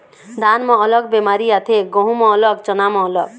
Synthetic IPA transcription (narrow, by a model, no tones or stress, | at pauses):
d̪anmɔːlɔk̚bemaɾiat̪ʰeɡõɦumɔːlɔkt͡ʃɔnamɔːlɔk̚